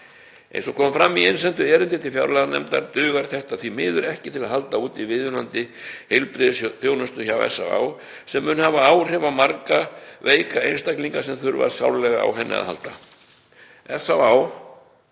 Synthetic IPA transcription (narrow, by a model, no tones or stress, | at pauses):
ḛjnsɔkʰɔːmfɾamːiejnslɛnt̪ʏɛːɾʏnt̪ɪt̪ʰɪlfja̰wɾlaðanɛ̰mt̪a̰ɾt̪ʏːɣaɾ̥θɛht̪aðθimɪːðʏɾɛhcɪt̪ʰɪlaðhalt̪auːt̪ivɪðʏnant̪ɪhejlpɾɪθjownʏst̪ʏçawɛ̰sːawa̰ːw | sɛmːʏːnhavaaːwr̥ɛvamaɾkaveːjkaḛjnst̪akliŋkasɛmθʏɾva̰ɾsawɾlɛɣaa̰wɦɛnːɪ̰a̰ðɦa̰lt̪a | ɛsawaw